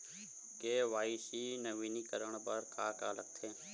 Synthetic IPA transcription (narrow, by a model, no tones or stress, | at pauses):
keːʋaːiʃinəʋiːnikəɾəɳ̃pəɾkʰaːka̰ːlək̚t̪ʰeː